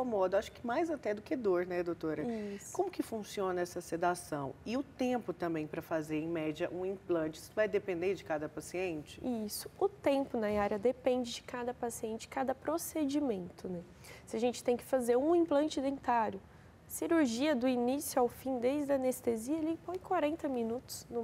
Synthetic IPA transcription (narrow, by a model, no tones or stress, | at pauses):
komɔd̪ʊaʃʊ̥kɪmajzat̪ɛd̪ʊkɪɛd̪oɾnɛd̪owt̪oɾɐikõmʊkɪfũsiõnɐɛsɐsed̪asɐ̰̃w̃ɪʊt̪ẽpʊt̪ɐ̃mbẽj̃pɾɐfazeɾẽj̃mɛd͡ʒɐʔũĩplɐ̃nt͡ʃɪi̥sʊvajd̪epẽnd̪eɾd͡ʒɪkad̪ɐpasiẽnt͡ʃɪisʊ̥ʊt̪ẽmpʊnɐaɾjɐd̪epẽnd͡ʒɪd͡ʒɪkad̪ɐpasiẽnt͡ʃɪ̥kad̪ɐpɾosed͡ʒimẽnt̪ʊnɛ | sɪaʒẽnt͡ʃɪ̥t̪ẽj̃kɪ̥fazeɾũĩplɐ̃nt͡ʃɪid̪ẽnt̪aɾjʊ | ɐsiɾuɾʒiɐd̪ʊinisjʊawfĩd̪ezd̪ɐɐnest̪eziɐelɐĩpõj̃kwaɾẽnt̪ɐmĩnut̪ʊ̥snʊ